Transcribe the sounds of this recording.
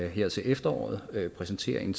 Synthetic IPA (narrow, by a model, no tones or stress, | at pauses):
ɦeɐ̰t͡sʰe̝lʔefd̥ɐɒ̰ːð̩ˠøpʰʁɛsnt͡sʰe̝̰ɐ̰eŋn̩